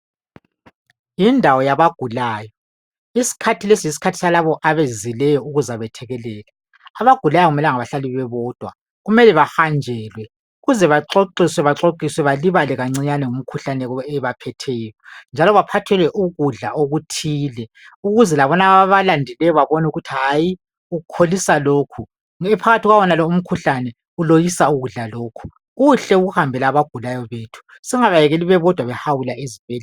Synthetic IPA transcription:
jindʱawɔjaβaɡ̥ʱulaːjɔ | isi̥kʰatʰilesiisi̥kʰatʰi̥salaβɔʔaβezilɛjɔuɣuzaβɛtʰɛɣɛlɛːla | aβaɡ̥ʱulajɔɣumɛlɛŋaβaɬaliβɛβɔːd̥ʱwa | ɣumɛlɛβahand͡ʒʱɛːlwɛ | uɣuzɛβaǁoǀiswɛβaǁoǀiswɛβaliβalɛɣaŋ͡ǀiɲanɛŋum̩kʰuɬanɛɔɛβapʰɛtʰɛjɔnd͡ʒʱalɔβapʰatʰɛlwɛʔuɣuɮa̰ʔoɣutʰiːlɛ | uɣuzɛlaβɔnaaβalandʱɛlɛjɔβaβɔnuɣutʰiɦaːji | uɣukʰolisaloːkʰu | ɛpʰaɣatʰiɣwawɔnalɔum̩kʰuɬanɛ | ulojisauɣuɮaloːkʰu̥ | ɣuɬɛuɣuhambʱɛlaːβaɡ̥ʱulajɔβeːtʰu̥ | siŋaβajɛɣeliβɛβɔd̥ʱwaβɛhawulaizibʱɛːl

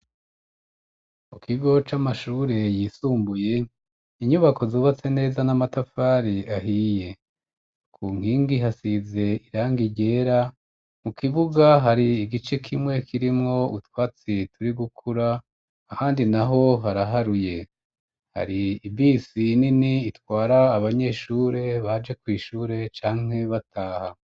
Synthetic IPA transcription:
mukiɡo̞t͡ʃamaʃuːɾe̞jiːsuːmbuje̞ | iɲuβako̞zoːβat͡se̞ne̞ːzanamatafaːɾiaɦije̞ | kʰuŋ̥hiːŋɡiɦasize̞iɾaːŋɡiɟe̞ːɾa | mukiβuɡaɦaɾiːɡit͡ʃe̞kʰimŋe̞kʰiɾimŋo̞utwaːt͡situɾiɡukʰuɾaː | haːndinaɦo̞ɦaɾaɦaɾuje̞ | ha̰ɾiːbiːsininiːtwaːɾaːβaɲe̞ːʃuːɾe̞βad͡ʒe̞kwiːʃuːɾe̞t͡ʃaːŋ̥e̞βatʰaːha

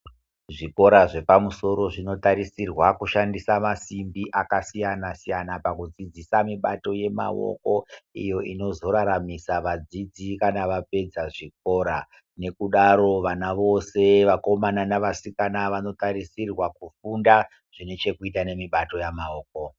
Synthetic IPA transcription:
ʐiko̞ɾaʐe̞pamuso̞ɾo̞ʐino̞taɾisirwakuʃandisamasimbiʔakasijanasijanapakud͡zid͡zisamiɓato̞je̞ma̰wo̰ko̞ijo̞ʔino̞zo̞ɾaɾamisaʋad͡zid͡zikanaʋape̞d͡zaʐik̚o̞ːɾa | ne̞kuɗaɾo̞ʋanaʋo̞se̞ʋako̞mananaʋasikanaʋano̞taɾisirwakufunda | ʐ̥ine̞t͡ʃe̞kuitane̞miɓato̞jamaoːk̚o̞

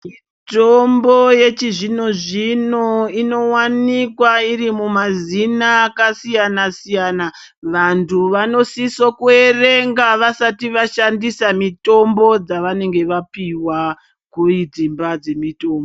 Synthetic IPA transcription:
mi | tomboje̞t͡ʃiʐino̞ʐino̞ino̞wanikwaiɾimumazinakasijanasijaːna | ʋantʰuʋano̞sisokue̞reŋɡaʋasatiʋaʃandisamito̞mbo̞d͡zaʋane̞ŋɡe̞ʋapiwa | kuid͡zimbad͡ze̞mito̞ːmbo

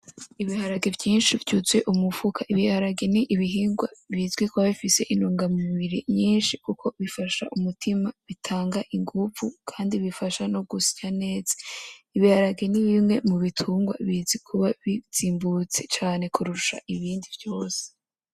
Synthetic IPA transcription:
iβihaɾaɡevjiːnʃivjut͡sweʔumufukaʔiβihaɾaɡeniʔiβiɦiːŋɡwaβizɡwikwβaβifise̞ʔinuːŋɡamumiβiɾiɲiːnʃikukʰo̞βifaʃaʔumutʰimaβitʰaːŋɡaʔiŋɡufukʰaːndiβifaʃano̞ɡusi̥ɟane̞ːz̥e̥iβihaɾaɡe̞niβimŋe̞muβitʰuːŋɡwa̰βiz̥ɡikʰuβaβiz̥iːmbut͡se̞t͡ʃaːne̞kʰuɾuʃa̰ʔiβiːndivjo̞ːse̥

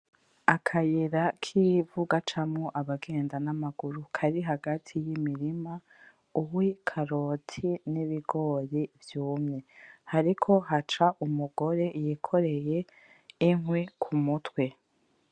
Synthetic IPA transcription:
akʰajeɾakʰiːvuɡat͡ʃamŋoʔaβaɡe̞ːndanamaɡuɾukʰaɾiɦaɡatʰijimiɾima | uwikʰaɾoːtʰiniβiɡo̞ːɾivjuːmŋe̞haɾikʰo̞ɦat͡ʃaʔumuɡo̞ɾe̞jikʰo̞ɾe̞je | iŋwekʰumutwe̞

